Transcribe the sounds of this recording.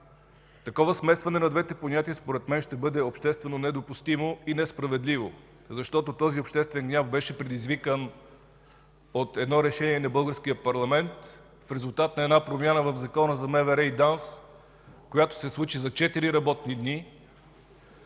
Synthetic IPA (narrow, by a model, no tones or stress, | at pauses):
t̪ɐkɔvɐsmɛst̪vɐnɛnɐd̪vɛt̪ɛponʲat̪iəspoɾɛt̪mɛnʃt̪ɛbɤd̪ɛopʃt̪ɛst̪vɛnonɛd̪opust̪imoinɛspɾɐvɛd̪livo | zɐʃt̪ɔt̪ot̪ɔziopʃt̪ɛst̪vɛnɡnʲafbɛʃɛpɾɛd̪izvikən | ot̪ɛd̪nɔɾɛʃɛniɛnɐbɤlˠɡəɾskʲijəpɐɾlˠɐmɛnt̪ | fɾɛzʊlˠt̪at̪nɐɛd̪napɾomjanəvɐvzɐkɔnəzɐmɛvɛɾɛid̪ans | kojat̪o̥sɛslˠut͡ʃizɐt͡ʃɛt̪iɾiɾɐbɔt̪nid̪ni